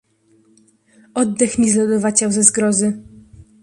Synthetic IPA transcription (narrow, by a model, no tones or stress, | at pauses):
ɔd̪ːɛxmʲizlɔd̪ɔvat͡ɕawzɛzɡɾɔzɘ